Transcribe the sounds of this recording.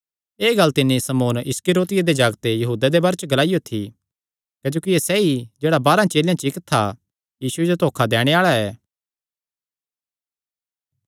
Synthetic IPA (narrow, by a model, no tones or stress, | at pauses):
eːɡɐlt̪ɪnːĩsɐmoːnɪskɪɾoːt̪ɪjad̪ed͡ʒaːɡt̪ejɐɦuːd̪ad̪ebɐɾt͡ʃɡɐlaːɪjot̪ʰi | kɐd͡ʒoːkiesɛid͡ʒeːɽabaːɾãt͡ʃeːljãt͡ʃɪkt̪ʰːa | jiːsued͡ʒot̪oːkʰad̪ɛːɽ̃eaːɭaɛː